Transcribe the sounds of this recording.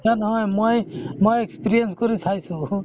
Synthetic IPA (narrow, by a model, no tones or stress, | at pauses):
ɦanɦɔjmɔjmɔjekspiɾijenskɔɾit̪ʰajsʰu